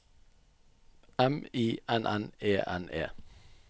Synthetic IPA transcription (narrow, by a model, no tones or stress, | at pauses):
ɛmiːʔɛnʔɛneːʔɛ̰nʔḛː